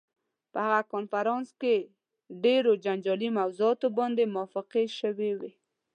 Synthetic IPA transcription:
pəhaɣakonfaɾɑnske | ɖeɾod͡ʒand͡ʒɑlimawzuɑt̪obɑnd̪emʊɑfɪqeʃəwewe

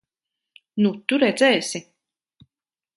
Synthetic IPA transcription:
nut̪uɾɛd̪zɛːsʲi

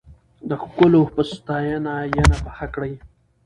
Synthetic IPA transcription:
d̪əxkʊlopəst̪ɑjanajanapaxakɽaj

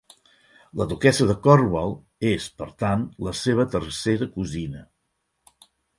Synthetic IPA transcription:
ləðukɛsəðəkɔrβalˠ | espəɾt̪anləseβ̞ət̪ərseɾəkuzinə

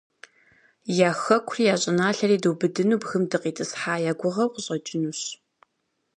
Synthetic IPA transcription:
jaːxɐkʷʰʊrijaːɕʼɪnaːɬɐriːdɨwbɨdɨnuːbxɨmdɨqiːtʰʼɨsħaːjaːɡʷʊʁɐwqəɕʼɐt͡ʃʼɪnuːɕ

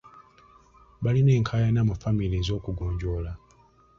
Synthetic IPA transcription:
βaline̞ːŋkʰaːjanaːmafamilizo̞ːkuɡoːɲɟo̞la

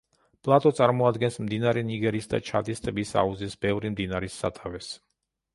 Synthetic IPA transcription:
pʼlˠat̪ʼɔt̪sʼaɾmɔad̪ɡɛnsmd̪inaɾɛniɡɛɾisd̪a̰t͡ʃʰat̪ʼist̪ʼɛbisa̰uzisbɛvɾimd̪inaɾisːa̰t̪ʰʼavɛs

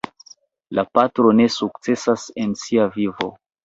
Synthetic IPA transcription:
lapatɾo̞ne̞suk̚t͡se̞sase̞nsiavivo̞̰

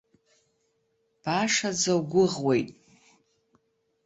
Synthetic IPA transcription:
b̥aʂad͡zawɡʷʊʁwejtʼ

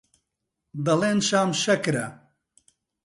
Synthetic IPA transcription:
d̪ɐleːnʃaːmʃɐkɾɐ

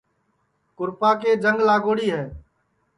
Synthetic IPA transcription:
kʊɾpaːkeːd͡ʒəŋɡlaːɡoːɽiːɦɛː

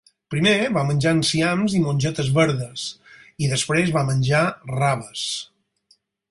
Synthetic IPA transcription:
pɾimeβamənʲd͡ʒansiamzimonʲʒɔt̪əzβəɾðəsiðəspɾezβamənʲʒaraβəs

